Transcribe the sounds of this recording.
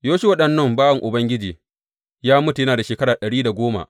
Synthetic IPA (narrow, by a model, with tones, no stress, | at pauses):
joː˦ʃi˦wɐ˦ɗɐ˨nːɐ˦mbaː˦wɐ˨ŋʔʊ˨bɐ˦ŋɡʲɪ˦d͡ʒiː˨ | jaː˦mʊ˦tu˨jɐ˦naː˨da˨ʃeː˨kɐ˦ɽaː˨ɗɐ˨ɽiː˦da˨ɡʷoː˦ma̰˨ʔ